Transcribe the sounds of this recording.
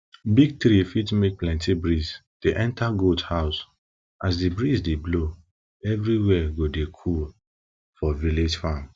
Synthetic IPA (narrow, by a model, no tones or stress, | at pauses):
biɡ̚tɾifitmek̚plɛ̃ntibɹisd̥eʔɛ̃ntaɡoldhaʊs | ʔasdibɹisdeblo | ɛvɾiwɛɡodekʰul | fɔviled͡ʒfãn